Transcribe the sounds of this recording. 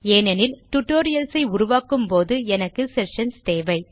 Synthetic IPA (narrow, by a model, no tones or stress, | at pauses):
eːnɐnɪlʈʊʈːoːɾɪjɐlsɐɪʊɾʊʋaːkːɯmpoːðɯɛnɐkːɯsɛʂɐnst̪eːʋɐɪ